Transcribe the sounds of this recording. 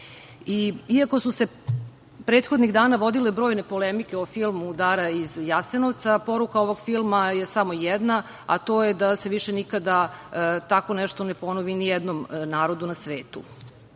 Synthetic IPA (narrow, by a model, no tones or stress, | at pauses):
iiako̞suse̞ | pɾeːt̪xod̪niɣd̪aːnaʋo̞d̪ilebɾoːjne̞polemike̞ofilˠmud̪aːɾaizjasenoʋt̪sapo̞ɾukaoʋo̞ɡfilˠmajesamo̞jɛd̪na | a̰t̪o̞ːjed̪ase̞ʋiʃenikad̪at̪akonɛʃt̪onepo̞noʋinijɛd̪nomnaːɾo̞d̪unasʋeːt̪ṵ